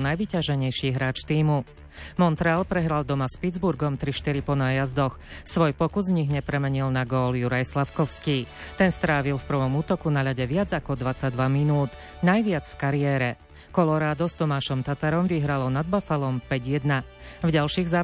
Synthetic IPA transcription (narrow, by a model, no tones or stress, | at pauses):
najʋicaʒɛɲɛjʃiːɦɾaːt͡ʃt̪iːmu | mɔnt̪ɾɛaːlpɾɛɦɾald̪ɔmaspid͡zbuɾɡɔmt̪ɾiʃt̪iɾipɔnaːjazd̪ɔxsʋɔjpɔkuzɲiɣɲɛpɾɛmɛɲilnaɡɔːljuɾajslafkɔʊskiːt̪ɛnst̪ɾaːʋilfpr̩ʋɔmuːt̪ɔkunaʎaɟɛʋɪad͡zakɔd̪ʋat͡saɟ̚d̪ʋaminuːt̪ | najʋɪad͡zfkaɾiɛːɾɛ | kɔlɔɾaːd̪ɔst̪ɔmaːʃɔmt̪at̪aɾɔmʋiɦɾalɔnad̪̚bafalɔmpɛɟjɛd̪navɟalʃiːɣzaː